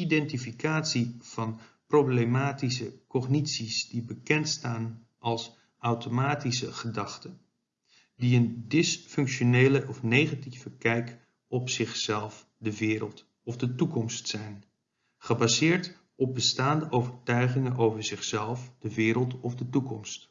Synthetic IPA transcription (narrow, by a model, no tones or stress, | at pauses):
idɛntifikaːtsiv̥ɑn | prowblemaːtis̬əkɔχnitsisdibəkɛntstaːn | ʔɑlˠs | ɑwtomaːtisəχədɑχtən | diəndɪsfɵŋkʃonejləʔɔfnejχativ̥əkɛjk | ɔpsɪχsɛlˠf | dəʋɪːɾəlˠt | ɔvdətukɔmstsɛjn | χəbazɪːɹt | ɔb̚bəstaːndəʔowvəɹtœɥχɪŋənʔowvəɹzɪχsɛlˠfd̥əʋɪːɾəlˠtɔvdətukɔmst